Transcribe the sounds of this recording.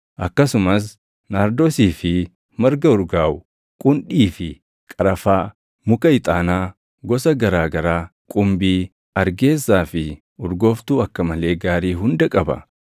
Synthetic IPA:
ʔɐkːɐsʊmɐs̬ | naːɾd̪oːsiːfɪ | mɐɾɡɐʊɾɡaːwʊ | kʼʊnᶑiːfɪ | kʼɐɾɐfaː | mʊkɐɪt̪ʼaːnaː | ɡɔsɐɡɐɾaːɡɐɾaːkʼʊmbiː | ɐɾɡe̞ːsːaːfɪ | ʊɾɡo̞ːft̪uːɐkːɐmɐle̞ːɡaːɾiːɦʊnd̪ɐkʼɐbɐ̰

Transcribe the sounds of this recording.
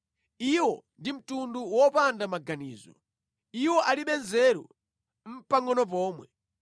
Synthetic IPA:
iwɔndim̩tunduwɔpandamaɡaniːzɔ̰ | iwɔʔaliɓɛnzɛɾṵ | m̩paŋɡɔnɔp̬ɔːmwɛ

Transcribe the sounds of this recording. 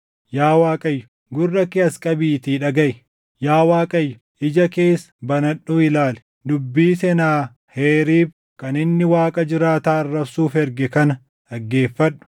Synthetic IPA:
jaːwaːkʼɐjːʊ̥ | ɡʊrːɐkɪɐskʼɐbiːt̪iːᶑɐɡɐʔɪ | jaːwaːkʼɐjːʊ | ʔɪd͡ʒɐke̞ːsːɐ̥bɐnɐᶑːuɪlaːlɛ̥ | d̪ʊbːiːsɛnaː | heːɾiːb | kɐnɪnːɪwaːkʼɐd͡ʒɪɾaːt̪aːɐrːɐbsuːfɛɾɡɛkɐnɐ | ᶑɐɡːeːfːɐɗːʊ̥

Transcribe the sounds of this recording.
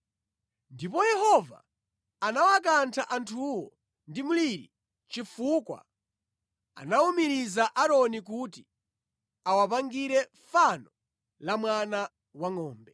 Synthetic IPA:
ndipɔjɛhɔva̰ː | nawakantʰaʔantʰuwɔ | ndimuliɾḭ | t͡ʃifuːkwa̰ | a̰naumiɾizaʔaɾɔnik̬uti | awap̬aŋɡiɾɛ | fanɔ | lamwana | waŋɔːmbɛ

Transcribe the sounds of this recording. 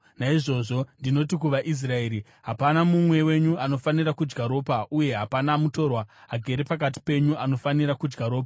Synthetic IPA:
naiʐo̞ʐo̞ndino̞tikuʋaʔis̬rae̞ːɾi | ɦapanamumwe̞we̞ɲuano̞fanirakud͡ʒɡaɾo̞ːpaʔuje̞ɦapanamuto̞rwaːɡʱe̞ɾepak̬at̬i̥pe̞ɲuano̞faniɾakud͡ʒɡaɾo̞ːpa

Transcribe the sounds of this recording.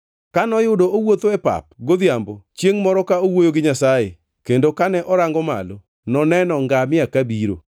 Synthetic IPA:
kanɔjʊdoowot̪oɛpa̰p̚ɡod̪jambot͡ʃjeŋmɔɾɔkaowojoɡɪɲasaje | kendokanɛʔɔɾaŋɡɔma̰lo | nɔnɛnɔŋɡamɪakabiɾo̰

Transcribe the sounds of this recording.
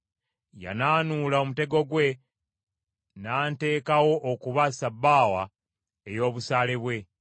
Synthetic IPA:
ja̰naːnulao̞mute̞ɡo̞ɡwe̞ | naːnte̞ːkawo̞ʔːkuβasabːaːwa | ejo̞ːβusaːle̞βwe̞

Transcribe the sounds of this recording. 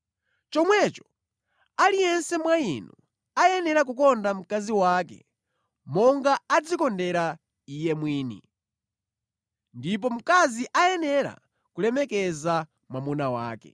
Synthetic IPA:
t͡ʃɔmwɛt͡ʃɔ̥ | alijɛnsɛmwainu | ajɛnɛɾak̬ukɔndam̩kaziwaːkɛ̰ | mɔŋɡaːd͡zikɔndɛɾa | ijɛmwiːnḭ | ndip̬ɔm̩kaziʔajɛnɛɾa̰ | kulɛmɛkɛza | mwamunawa̰ːkɛ̰

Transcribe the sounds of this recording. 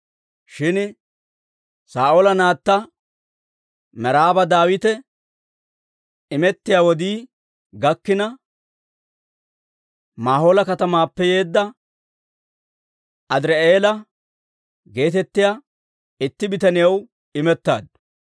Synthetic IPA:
ʃɪn | saːʔoːlɐnaːt̪ːɐ | mɛɾaːbɐd̪aːwɪt̪ɛ | ɪmɛt̪ːɪjaːwɔd̪iː | ɡɐkːɪnɐ | maːɦoːlɐkɐt̪ɐmaːpːɛjeːd̪ːɐ | ɐd̪ɪɾɛʔeːlɐ | ɡe̞ːt̪̬ɛt̪ːɪja | ɪt̪ːɪbɪt̪ɐnɪjɐw | ɪmɛt̪ːa̰ːd̪̚

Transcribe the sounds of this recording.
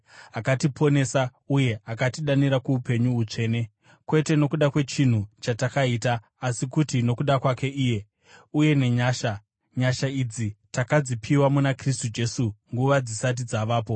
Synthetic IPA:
akatipʰo̞ne̞sa | uje̞akatiɗaniɾakuupe̞ɲuːt͡ʂe̞ːne̞ | kwe̞te̞no̞kuɗakwe̞t͡ʃin̤ut͡ʃatakaiːtaː | sikutino̞kuɗakwake̞ʔiːje̞ | uje̞ne̞ɲaːʃa | ɲaʃaid͡zitakad͡zipʰiwamunakristud͡ʒe̞suŋɡuʋad͡zisat̬id͡zaʋaːpo̞

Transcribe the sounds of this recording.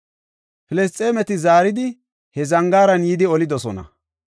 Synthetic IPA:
pɪlɛs̬t̪ʼe̞ːmɛt̪ɪzaːɾɪd̪ɪ | hɛzɐŋɡaːɾɐnjid̪ɪɔlɪd̪ɔsɔnɐ̰

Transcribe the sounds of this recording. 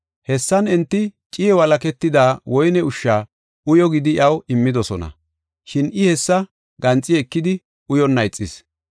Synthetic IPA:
hɛsːɐnɛnt̪ːɪt͡ʃʼɪjɛwɐlɐkɛt̪ːɪd̪aːwɔjnɛʊʃːaː | ʊjɔɡɪd̪ɪjɐwɪmːɪd̪ɔsɔnɐ̰ | ʃɪnɪhɛsːɐ | ɡɐnt͡sʼːɪɛkːɪd̪ɪ | ʊjɔnːɐjt͡sʼːɪs

